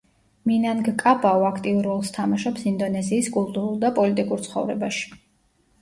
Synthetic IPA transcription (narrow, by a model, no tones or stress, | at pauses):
minanɡkʼabʼaɔakʰt̪ʼiuɾɔlˠst̪ʰamaʃɛpsind̪ɔnɛziːskʼulˠt̪ʼuɾulˠd̪apʼɔlit̪ʼikʼuɾt̪sʰχɔ̰vɾɛ̰baʃi̥